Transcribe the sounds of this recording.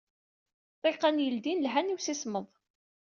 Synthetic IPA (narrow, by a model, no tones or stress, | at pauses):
t̪ˤeqænjəld̪inlɦæniwsisməðˤ